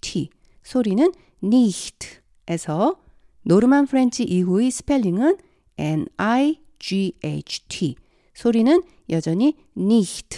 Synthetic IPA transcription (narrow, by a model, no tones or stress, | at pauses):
tʰi | sʰoɾinɯn | niɕtʰ | e̞sʰʌ | noɾɯmanpʰɯɾe̞nd͡ʑʰiʔiɦuisʰɯ̥pʰe̞ʎːiŋɯn | enaj | d͡ʑiḛt͡ɕʰtʰi | sʰoɾinɯn | jʌd͡ʑʌɲi | niɕtʰ